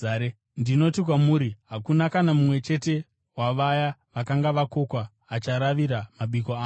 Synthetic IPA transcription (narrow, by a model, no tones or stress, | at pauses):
e | ndino̞tik̬wamuːɾiɦakunakanamumwe̞t͡ʃe̞te̞ | waʋajaʋakaŋɡaʋako̞kwaː | t͡ʃaɾaʋiɾamaɓikoaː